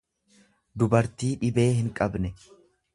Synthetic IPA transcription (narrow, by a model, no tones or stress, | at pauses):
d̪ʊbɐɾt̪iːᶑɪbe̞ːɦɪŋkʼɐbnɛ